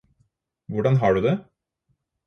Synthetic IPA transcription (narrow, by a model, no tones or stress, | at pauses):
ʋʊɖɑnɦɑːɖʉːd̪ɛ